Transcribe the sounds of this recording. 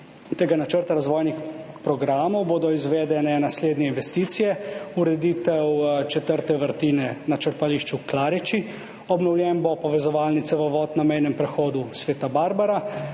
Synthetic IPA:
t̪eːɡanat͡ʃəɾt̪aɾazʋɔːjnix | pɾɔɡɾaːmɔwboːd̪ɔizʋeːd̪ɛnɛnasleːd̪nʲjɛinʋɛst̪iːt̪sijɛuɾɛd̪iːt̪ɛwt͡ʃɛt̪əɾt̪ɛʋəɾt̪iːnɛnat͡ʃəɾt̪aliʃt͡ʃuklaːɾit͡ʃi | ɔbnɔwlʲjɛnbopɔʋɛzɔʋaːlnit̪sɛʋɔʋɔːt̪namɛjnɛmpɾɛxɔːd̪usʋeːt̪abaːɾbaɾa

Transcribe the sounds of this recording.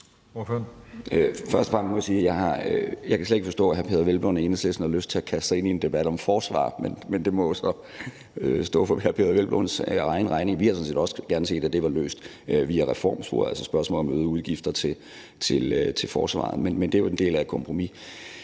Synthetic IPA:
oføøfɶɐsd̥ə̥fʁɑ̈m̰mɒ̽jɑ̈siːjɑɪɦɑ̈øjɑ̈ɪkæsled̥eɡ̥fɒ̽sd̥ɔ̰̽ːɦæɐpʰe̝ːðˠɐʋelb̥lo̰nenəslesn̩hɑ̈løsd̥t͡sʰe̝ækʰæsd̥sɑɪe̝nie̝nd̥e̝b̥æd̥ɒ̽mfɒːsʋɑ̰̈ːmenmend̥e̝mɒsɒ̽ | øsd̥ɔ̰̽ːfɒhæpʰe̝̰ːðˠɐʋelb̥lɔ̰nsʁɑ̈ɪnəʁɑ̈ɪneŋʋihɑ̈sɔ̽nse̝̰ːd̥ɒ̽sɡ̥æɐnəse̝̰ːd̥æd̥e̝ʋɑ̈lø̰ːsd̥ | ʋiːæʁɛfɒ̰ːmsb̥ṵɐælsɒsb̥ɶɐsmɔ̰ːlɒ̽møːð̩ˠuð̞ˠɡ̥ifd̥ɐt͡sʰe̝ | t͡sʰe̝lt͡sʰe̝lfɒ̰ːsʋɑ̰̈ð̩ˠmenmend̥e̝ʋɑende̝̰ːlæ̥kʰɒ̽mpʰʁo̝mi

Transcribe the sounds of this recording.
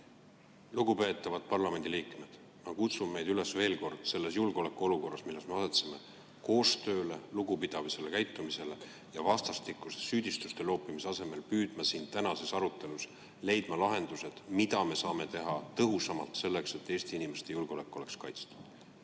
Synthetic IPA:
luɡ̥upe̞ːt̪ːˑɑvɑd̪̥̚pɑrlɑme̞nd̪̥iliːkme̞d̪̥ | mɑkut̪summe̞jd̪yle̞sve̞ːlko̞rd̪̥se̞lːe̞sjulɡ̥eolekːˑuo̞luko̞rːɑsmilːe̞sme̞ɑset̪seme̞ | ko̞ːst̪ø̞ːle̞luɡ̥upid̪̥ɑvise̞le̞kæjt̪ːˑumise̞le | jɑvɑst̪ɑst̪ikːˑusesːyːd̪̥ist̪ust̪e̞lo̞ːpːimiseɑse̞me̞lpyːd̪̥mɑsiːnt̪ænɑse̞sɑɾut̪ːˑe̞lus | le̞jd̪mɑlɑɦe̞nd̪̥use̞d̪̥mid̪ɑme̞sɑːme̞t̪e̞ɦɑt̪ɤɦusɑmɑlt̪se̞lːe̞kse̞t̪ːˑe̞ːst̪iinime̞st̪e̞julɡeole̞kːˑuo̞le̞kskɑjt̪st̪ɑ̥

